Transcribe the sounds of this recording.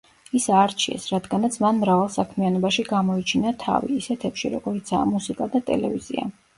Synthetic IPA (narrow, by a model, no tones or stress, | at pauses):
isaɾt͡ʃʰiɛ̰sɾad̪ɡanat̪sʰmanmɾavalˠsakʰmianɔbaʃiɡamɔit͡ʃʰinat̪ʰa̰vḭːsɛt̪ʰɛpʃḭɾɔɡ̥ɔɾit̪sʰaːmusikʼad̪at̪ʼɛ̰lɛvizḭa̰